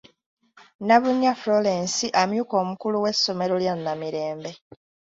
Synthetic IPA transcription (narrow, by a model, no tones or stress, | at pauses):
naβuɲːaflolensiʔamjuko̞ːmukuluwe̞sːo̞me̞ɾoljanːamiɾe̞ːmbe̞